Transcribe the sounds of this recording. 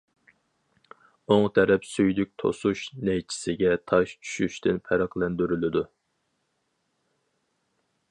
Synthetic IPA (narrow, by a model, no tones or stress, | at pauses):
oŋt̪ʰɛɾɛpsyjlyk̚ʲt̪ʰo̰suʃnɛjt͡ʃʰi̥sɪɡʲɛt̪ʰɑʃt͡ʃʰy̥ʃyʃt̪ɪnpʰɛɾɑqlˠɛnd̪yɾylɪd̪u